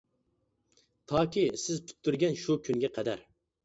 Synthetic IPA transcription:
t̪ʰɑːkʲisɪzpʰy̥t̪ʰːyɾɡʲɛnʃukʲʰynɡʲɛqʰɛd̪æɾ

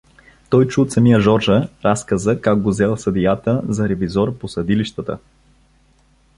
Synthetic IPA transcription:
t̪ɔjt͡ʃut̪sɐmijəʒɔɾʒəɾaskəzəkak̚ɡozɛlˠsɐd̪ijat̪əzɐɾɛvizɔɾposɐd̪iliʃt̪ət̪ə̰

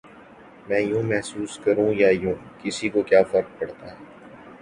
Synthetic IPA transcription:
mɛ̃ːjũːmɛɦsuːskɐɾũːjaːjũːkɪsikokjaːfɐɾk̚pɐɽt̪aːɦɛː

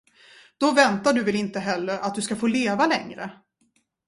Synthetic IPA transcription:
d̪̥ɔvɛnt̪aɖɵvɛlɪnt̪əɦɛlːəɾʔat̪̚d̪ɵskafoːleːvalɛŋɾə̰

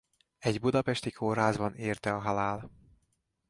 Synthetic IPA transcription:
ɛɟbud̪ɒpɛʃt̪ikʰoːrɦaːzbɒneːrt̪ɛɒɦɒlaːl

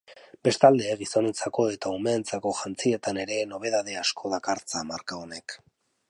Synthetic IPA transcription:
be̞st̪ald̪e̞ɣiso̞ne̞t͡sako̞e̞t̪aumeːnt͡sako̞ʝant͡sie̞t̪ane̞ɾe̞no̞β̞e̞ðaðe̞askʰo̞ðakaɾt͡samaɾkaone̞k

